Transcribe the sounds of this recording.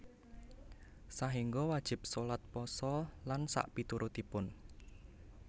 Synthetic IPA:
saɦiŋɡɔwad̥ʒ̥ɪ̤p̚solat̪̚pɔsɔlansa̰ʔpit̪uɾʔut̪ipʊn

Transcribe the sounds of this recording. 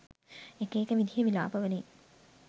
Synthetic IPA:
ekeːkəʋid̪ʱijeʋila̰ːpəʋəne

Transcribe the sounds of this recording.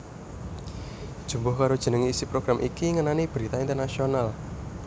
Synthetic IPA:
d̥ʒ̥ṳmbʊhkaɾod̥ʒ̥ə̤nəŋiːsipɾoɡ̥ɾamʔikiŋənanib̥ɾit̪aint̪ərnasional

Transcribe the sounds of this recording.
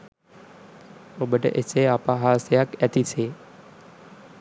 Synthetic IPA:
obəʈə̰ʔeseapaɦasjakɛt̪ʰit͡sʰe

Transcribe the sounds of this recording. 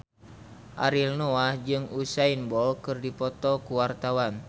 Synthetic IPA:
ʔa̰ɾilnoahd͡ʒɨŋusainbɔlkɨrdipɔt̪ɔkuwart̪awan

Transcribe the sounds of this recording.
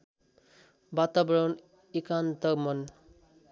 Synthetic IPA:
bat̪abɾʌn | ikant̪ʌmʌn

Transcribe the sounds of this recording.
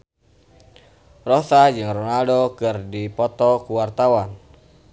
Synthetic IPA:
rɔsad͡ʒɨŋrɔnaldokɨrdipɔt̪ɔkuwart̪awan

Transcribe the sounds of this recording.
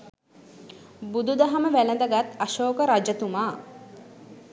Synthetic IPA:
bud̪ud̪ɐɦɐməʋælɐnd̪ɐɡat̪aʃoːkəɾad͡ʒɐt̪umaː

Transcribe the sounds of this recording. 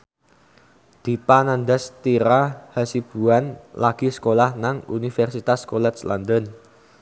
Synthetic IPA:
d̪̥i̤panand̪ɛst̪iɾahasib̥ṳanlaɡ̥i̤sə̥kolahnaŋṵnifɛrsit̪askɔlɛt̪̚sland̪ən

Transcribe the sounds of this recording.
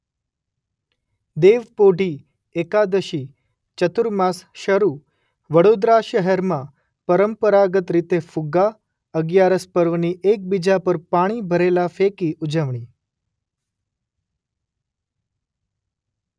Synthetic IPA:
d̪eʋpoɖʱi | ekad̪əʃi | t͡ʃət̪uɾmãsʃəɾu | ʋəɽod̪ɾaʃəɦeɾmã | pəɾəmpəɾaɡət̪ɾit̪efʊɡa | əɡjaɾəspəɾʋniʔek̚bid͡ʒapəɾpaɽ̃ibʱəɾelafekiʔʊd͡ʒəʋɳ̃i

